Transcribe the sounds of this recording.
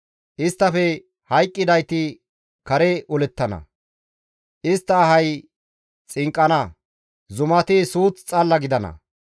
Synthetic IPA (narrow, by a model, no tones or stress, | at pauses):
ʔɪst̪ːɐfɛ | hɐjkʼːɪd̪ɐjt̪ɪ | kɐɾɛʔʊlɛt̪ːɐnɐ̰ | ʔɪst̪ːɐːɦɐj | t͡sʼɪŋkʼːɐnɐ | zʊmɐt̪ɪsuːt͡st͡sʼɐlːɐɡɪd̪ɐnɐ̰